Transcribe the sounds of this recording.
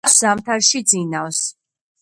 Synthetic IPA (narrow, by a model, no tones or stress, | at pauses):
szamt̪ʰaɾʃid̪zinavs